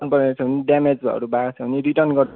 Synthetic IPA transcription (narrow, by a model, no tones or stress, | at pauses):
npʌɾet͡sʰʌniɖamed͡zbʱʌ̰ɾubaɡt͡sʰʌɦniriʈʌrnɡʌ